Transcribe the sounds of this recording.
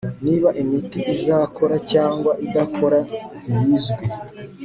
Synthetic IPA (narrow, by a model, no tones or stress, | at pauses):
niːβaʔimitiʔizaːkʰo̞ɾacaːŋɡwaʔidakʰo̞ɾa | ijizɡe